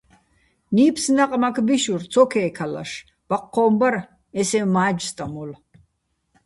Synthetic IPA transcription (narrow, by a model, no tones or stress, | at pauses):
niːpʰsnaqʼmakʰbiʃuɾt͡sʰɔkʰɛːkʰala̰ʃ | b̥aqʰːɔːmbaɾ | ɛsɛmaːd͡ʒst̪ʼamɔl